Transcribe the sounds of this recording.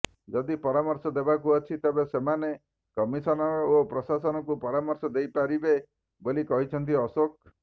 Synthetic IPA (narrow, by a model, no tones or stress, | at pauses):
d͡ʒɔd̪ipɔɾamɔɾsɔd̪ebakuɔt͡ʃʰit̪ebesemane | kɔmisɔnɔɾɔopɾɔsasɔnɔkupɔɾamɔɾsɔd̪ejpaɾibe | bolikɔɦit͡ʃʰɔnt̪̬iɔsok̚